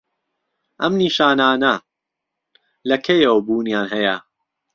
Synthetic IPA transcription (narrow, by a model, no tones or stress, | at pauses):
ʔɐmniːʃaːnaːnɐ | lɐkʰɐjɐwbuːnjaːnhɐjɐ